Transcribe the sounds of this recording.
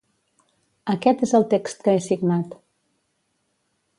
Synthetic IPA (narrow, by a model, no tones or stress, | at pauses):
əkɛt̪ezəlˠt̪ekst̪̚kəesiɡnat̪